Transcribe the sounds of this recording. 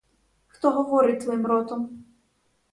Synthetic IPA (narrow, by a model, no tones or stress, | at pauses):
xt̪ɔɦɔʋɔɾɪt̪ʋɔimɾɔt̪ɔm